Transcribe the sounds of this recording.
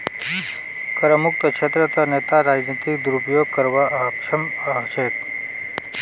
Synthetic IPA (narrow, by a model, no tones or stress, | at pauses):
pɾəmuk̚t̪əkʃʰet̪ɾət̪ənet̪aɾad͡ʒnit̪id̪uɾupjoɡ̚kəɾʋaʔəpʃəmət͡ʃe